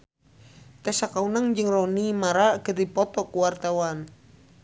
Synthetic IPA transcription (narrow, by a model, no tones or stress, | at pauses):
t̪ɛsakaunaŋd͡ʒɨŋrɔnimaɾakərdipɔt̪ɔkuwart̪awan